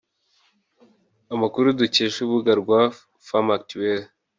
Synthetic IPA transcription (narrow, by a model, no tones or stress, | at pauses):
amakuɾuduceʃuβuɡaɾɡwa | famak̚tuwel